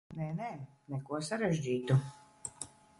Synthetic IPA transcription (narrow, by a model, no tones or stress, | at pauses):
nɛnɛ | nɛkuɔsaɾɛʒʲd͡ʑiːt̪u